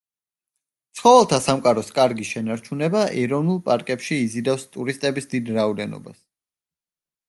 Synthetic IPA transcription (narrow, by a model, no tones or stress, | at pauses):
t̪sʰχɔvɛlˠt̪ʰasamkʼaɾɔskʼaɾɡiʃɛnaɾt͡ʃʰunɛbaʔɛɾɔvnulˠpʼaɾkʼɛpʃiːzid̪afst̪ʼuɾist̪ʼɛbisd̪id̪ɾaɔd̪ɛnɔ̰ba̰s